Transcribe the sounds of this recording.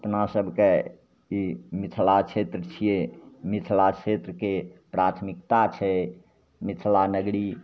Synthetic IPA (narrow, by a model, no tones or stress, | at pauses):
əpnasəbʱke | imit̪ʰlat͡ʃʰet̪ɾət͡ʃʰijemit̪ʰlat͡ʃʰet̪ɾəkepɾat̪ʰmikt̪at͡ʃʰɛ | mit̪ʰlanəɡɽi